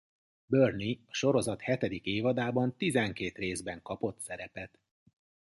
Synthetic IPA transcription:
børniɒʃo̞ɾo̞zɒt̪hɛt̪ɛd̪ikeːvɒd̪aːbɒnt̪izɛŋkeːt̪reːzbɛŋkɒpo̞t̪sɛɾɛpɛt̪

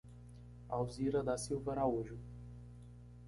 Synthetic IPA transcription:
awziɾɐd̪asiwvɐɾaoʒʊ

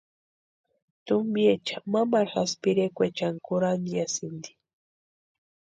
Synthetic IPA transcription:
t̪umbiet͡ʃamamaɾxaspiɾekʷet͡ʃaŋkuɾand̪jasind̪i̥

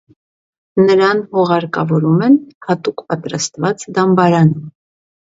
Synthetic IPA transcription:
nəɾɑnhɔʁɑɾkɑvɔɾumɛnhɑt̪ukpɑt̪ɾɑst̪vɑt͡sd̪ɑmbɑɾɑnum

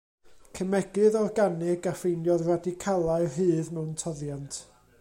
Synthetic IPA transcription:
kʰəmɛɡɨðɔrɡanɪɡafejnjɔðradikʰalˠaɨɦɨːðmɛwntʰɔðjantʰ

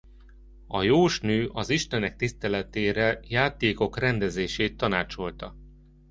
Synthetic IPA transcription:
ɒjoːʃnøːʔɒziʃt̪ɛnɛk̚t̪ist̪ɛlɛt̪eːɾɛjaːt̪eːko̞krɛnd̪ɛzeːʃeːt̪ːɒnaːt͡ʃo̞lt̪ɒ

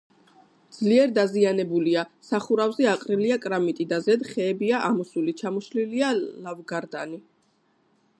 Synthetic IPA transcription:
d̪z̥liɛɾd̪azianɛbuliasaχuɾavzɛaqʼɾiliakʼɾamit̪ʼid̪azɛd̪χɛːbiaʔamɔsulit͡ʃʰamɔʃlilialavɡaɾd̪ani

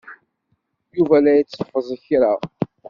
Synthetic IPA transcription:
juvælæjət͡sːfəzˤəçɾaʁ

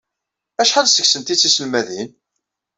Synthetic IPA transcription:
æʃħalsə̥ksənt̪it͡sːisəlmæðin

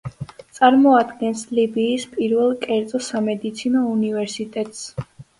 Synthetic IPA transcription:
t̪sʼaɾmɔad̪ɡɛnslibiːspʼiɾvɛlˠkʼɛɾt̪sʼɔsamɛd̪it̪sʰinɔunivɛɾsit̪ʼɛt̪ʼs

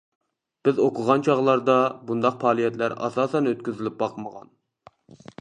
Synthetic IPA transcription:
b̥ɪzoqʰʊʁɑnt͡ʃʰɑʁlˠɑɾd̪ɑbund̪ɑq̚pʰɑːlˠijɛt̪læɾɑ̰sɑːsɛnøt̪kʲyzɪlɪp̚bɑqʰməʁɑ̰n

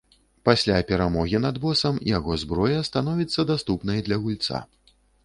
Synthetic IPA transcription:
pasʲlʲapʲɛɾamɔɣʲinɐd̪bɔsɐmjaɣɔzbɾɔjɐst̪an̪ɔvʲit̪sːɐd̪ast̪upnɐjd̪lʲɐɣulʲt̪sa̰

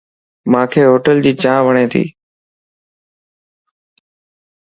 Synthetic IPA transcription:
mãːkʰeːɦoːʈəld͡ʑiːt͡ɕãːʋəɳ̃ẽːt̪ʰḭː

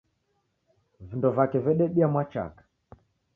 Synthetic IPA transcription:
vindɔvakɛvɛɗɛɗiamwat͡ʃa̰kḁ

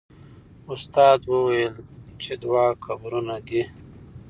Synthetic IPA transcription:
ʊst̪ɑːd̪wəwajəlt͡ʃed̪wɑkabɾunad̪i

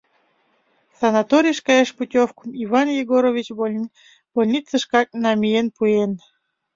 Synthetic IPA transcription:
sɑnɑt̪oɾʲijʃkɑeʃputʲofkumivɑnjeɡoɾovʲit͡ɕ | b̥olʲnʲit͡səʃkɑk̚nɑmʲijenpuen

